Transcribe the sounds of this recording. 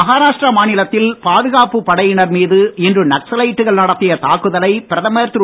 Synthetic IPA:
ɐɣaːɾaːʂʈrɐmaːnɪlɐt̪ːɪlpaːðɯɣaːpɯpɐɽɐjɪɳɐɾmiːðɯɛndrɯnɐksɐlɐɪʈːɯɣɐɭnɐɽɐt̪ːɪjɐt̪aːkːɯðɐlɐɪpɪɾɐðɐmeːɾt̪ɯ

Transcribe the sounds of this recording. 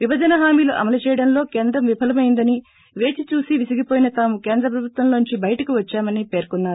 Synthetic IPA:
ʋibɐd͡ʒɐnɐɦaːmiːluʔɐ̰mɐlut͡ʃɛːjɐɽɐnlo̞ːke̞ːnd̪ɾɐmʋipʰɐlɐmɐjind̪ɐni | ʋe̞ːt͡ʃit͡ʃuːsiʋisiɡipoːjinɐt̪aːmuke̞ːnd̪ɾɐp̬ɾɐbʱut̪ʋɐmlo̞ːnuɲt͡ʃibɐjɐʈɐkiʋɐt͡ʃːaːmɐnipe̞ːɾkunːaːɾu

